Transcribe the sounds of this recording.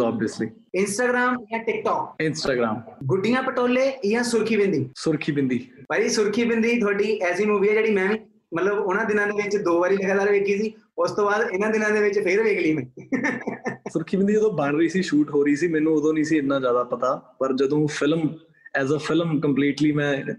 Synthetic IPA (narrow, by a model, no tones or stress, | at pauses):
a̰ːbiəslḭː | ɪnsʈaːɡɾaːmɪjãːʈɪk̚ʈɔːkɪnsʈaːɡɾa̰ːmɡʊɖɪjãːpəʈoːleːɪjãːsʊɾkʰiːbɪ̃nd̪iːsʊɾkʰiːbɪ̃nd̪iːpaːɾiːsʊɾkʰiːbɪ̃nd̪iːt̪ʰʊaːɖiːʔɛːsiːmuːʋiːɛːd͡ʒeːɽiːmɛ̃ːʋĩː | mət̪ləbʊnãːd̪ɪnãːd̪eːʋɪt͡ʃd̪oːʋaːɾiːləɡaːt̪aːɾʋeːkiːsiː | ʊst̪õːbaːd̪ɪnãːd̪ɪnãːd̪eːʋɪt͡ʃpʰɪɾʋeːkʰliːmɛ̃ː | sʊɾkʰiːbɪ̃nd̪iːəd̪õːbaːɳɾəiːsiːʃuːʈɦoːɾəiːsiːmɛːnũːʊd̪õːnĩːsiːɪnːãːzjaːd̪aːpət̪aːpəɾd͡ʒəd̪õːpʰɪlm | ɛːzəpʰɪlmkəmpliːʈliːmɛ̃ː